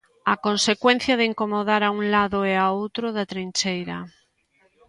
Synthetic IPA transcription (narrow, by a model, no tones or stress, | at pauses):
akonsekwen̟θjaðeiŋkomoðaɾauŋlaðoɛaowt̪ɾoðat̪ɾint͡ʃejɾɐ̰